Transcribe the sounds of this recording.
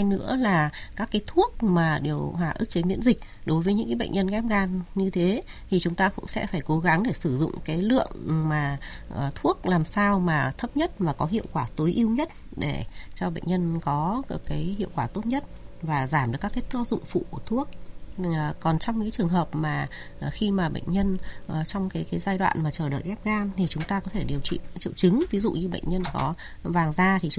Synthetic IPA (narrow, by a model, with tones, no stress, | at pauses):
jnɨ̰˧˥əlaː˨˩kaː˦˥kːaː˨˦jt̪ʰu˦˥ək̚maː˨˩ɗi˨˩əwɦwaː˨˩ʔɨ˦˥k̚t͡ɕe˨˦mḭ˧˥ənzï˨˩k̟̚ | ɗo˨˦jvəː˨˦ɲɨ̰˧˥kaː˨˦ɓ̰jŋ̟ɲə˧nɣɛ˦˥mɣaː˧nɲɨ˧t̪ʰe˨˦t̪ʰi˨˩t͡ɕʊ˨˦ŋ͡mt̪aː˧kʊ̰˧˥ŋ͡msɛ̰˧˥faː˧˩jko˨˦ɣa˨˦ŋɗe˧˩sɨ˧˩zʊ̰˧˨ŋ͡mkaː˨˦jlɨ̰˧˨əŋmaː˨˩˨t̪ʰu˦˥ək̚laː˨˩msaː˧wmaː˨˩t̪ʰə˦˥p̚ɲə˦˥t̚maː˨˩kɔ˨˦ɦḭ˧˨əwkwaː˧˩t̪o˨˦jʔi˧əwɲə˦˥t̚ | ɗe˧˩t͡ɕɔ˧ɓə̰˧˨jɲə˧nkɔ˨˦˨kaː˨˦jhḭ˧˨əwkwaː˧˩t̪o˦˥t̚ɲə˦˥t̚vaː˨˩zaː˧˩mɗɨ˨˩kːa˦˥kːa˨˦t̪ːzʊ̰˧˨ŋ͡mfṵ˧˨˩kt̪ʰu˦˥ək̚ | kɔ˨˩nt͡ɕɔ˧wŋ͡mɲɨ˧kːt͡ɕɨ˨˩əŋɦəː˨˩p̚maː˨˩˨ | xi˧maː˨˩ɓə̰˧˨ŋ̟ɲə˧n˨˩t͡ɕɔ˧wŋ͡mkaː˨˦jkaː˨˦jzaː˧jɗwa̰ː˧˨nmaː˨˩t͡ɕəː˧˩ɗə̰ː˧˨jɣɛ˦˥p̚ɣaː˧mt̪ʰi˨˩t͡ɕʊ˨˦ŋ͡mt̪aː˧kɔ˨˦t̪ʰe˧˩ɗi˨˩əwt͡ɕḭ˧˨t͡ɕḭ˧˨əwt͡ɕɨ˨˦ŋvi˨˦zṵ˧˨ɲɨ˧ɓə̰˧˨jŋ̟ɲə˧nkɔ˨˦ | vaː˨˩ŋzaː˧t̪ʰi˨˩